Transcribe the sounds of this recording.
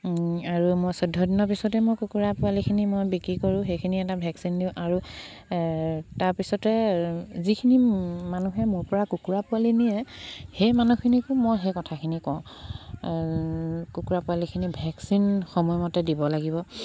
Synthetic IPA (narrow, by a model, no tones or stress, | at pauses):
aɹumojsɔdʱːɔdinɔɹp̬isɔtɛmojkukuɹapʊalikʰinimojbikɹikoɹʊ̃xejkʰiniɛtabʱɛksindiʊ̃ʔaɹu | taɹpisɔtɛzikʰinimanuɦɛmuɹpɔɹakukuɹapʊalinijɛhejmanukʰinikʊmojɦejkɔtʰakʰinikɔw̃ | kukuɹapualikʰinibʱɛksinxɔmɔjɔmɔtɛdibɔlaɡibɔ